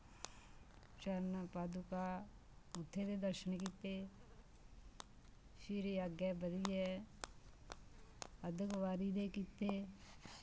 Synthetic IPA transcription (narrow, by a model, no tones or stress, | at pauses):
t͡ʃəɾnapaːd̪uka | ʊt̪ʰːed̪ed̪əɾʃənkit̪ːe | ʃiɾeaɡjɛbəd̪iɛ | əd̪ʱəkʋaːɾid̪ekit̪ːe